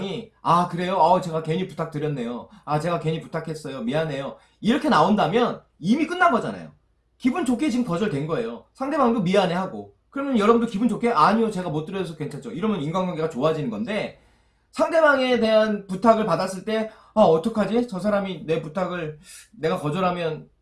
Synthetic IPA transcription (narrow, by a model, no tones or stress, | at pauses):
ŋiakɯɾe̞joat͡ɕe̞ɡake̞ɲiputʰak̚tɯɾjʌnːe̞jo | at͡ɕe̞ɡakwe̞ɲiputʰakʰe̞s͈ʌjomiane̞jo | iɾʌkʰe̞naondamjʌn | imik͈ɯnːaɡʌd͡ʑa̰na̰jo̰ | kibunt͡ɕokʰe̞t͡ɕiɯmkʌd͡ʑʌɭdwe̞nɡʌe̞josʰaŋde̞baŋdomiane̞ɦaɡo | kɯɾʌmjʌnjʌɾʌbundokibunt͡ɕokʰe̞ʔaɲijot͡ɕeɡamot͈ɯɾjʌʌsʰʌkwe̞nt͡ɕʰand͡ʑoiɾʌmjʌninɡwaŋɡjʌŋɡeɡat͡ɕoad͡ʑinɯnɡʌnde̞ | sʰaŋde̞baŋe̞te̞ɦanputʰaɡɯɭpadas͈ɯɭt͈e̞ | aʌt͈ʰʌkʰad͡ʑit͡ɕʌs̬ʰaɾamine̞putʰaɡɯɭ | ne̞ɡakʌd͡ʑʌɾɦamjʌn